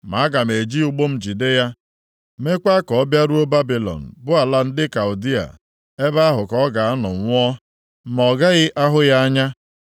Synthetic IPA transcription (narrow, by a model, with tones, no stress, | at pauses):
ma˨a˦ɡa˨me˨d͡ʒi˦u˦ɡ͡bo˦m̩˨d͡ʒi˨de˦ja˦ | me˦kʷa˦kɔ˨ɔ˦bja˦ɾu˦o˦ba˦bi˨lɔ̰˨n̩˨bʊ˦a˨la˦n̩˦dɪ˦ka˨ʊ˨di˦a̰˨ | e˦ba˦ɦʊ˨kɔ˦ɡa˨a˦nɔ̰˨ŋʷ˨˦ɔ˦ | mɔ˨ɡa˦ɣɪ˦ʔa˦ɦʊ˦ja˦a˦ɲa˦